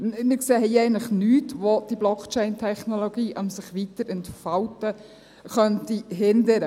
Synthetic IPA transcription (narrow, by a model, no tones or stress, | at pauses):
mɪkseːɦɛɪjɛɪnləχnyːtʋod̥iblɔkt͡ʃɛɪntʰɛχnoloɡ̥iːʔɑmsɪχʋitəɾɛntfɑltə | χœntiɦɪndəɾə